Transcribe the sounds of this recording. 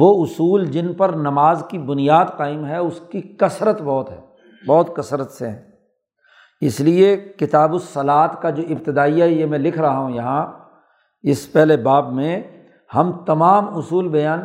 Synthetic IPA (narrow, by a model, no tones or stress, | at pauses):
ʋoːʊsuːld͡ʒɪnpɐɾnɐmaːzkibʊnijaːd̪qaːɪmɦɛʊskikɐsɾət̪bɔːt̪ɦɛ̰ː | bɔːt̪kɐsɾət̪seɦɛ̰̃ː | ɪsliekɪt̪aːbʊsːɐlaːt̪kad͡ʒoːʔɪbt̪ɪd̪aːijaɦɛjemɛ̃lɪkʰɾɐɦaɦũjɐɦã | ɪspɛɦlebaːbmẽ | hɐmt̪ɐmaːmʊsuːlbɐjaːn